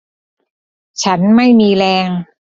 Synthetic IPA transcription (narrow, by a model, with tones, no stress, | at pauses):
t͡ɕʰa˦˥nma˥˩jmiː˧lɛː˧ŋ